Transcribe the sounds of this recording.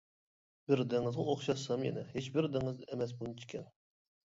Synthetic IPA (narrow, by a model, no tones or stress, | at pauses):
bɪɾd̪ɪŋɨzʁoχʃɑsɑmjɛ̰nɪhet͡ʃbɪɾd̪ɪŋɪzemɛs̬bunɨt͡ʃʰi̥kʲʰɛn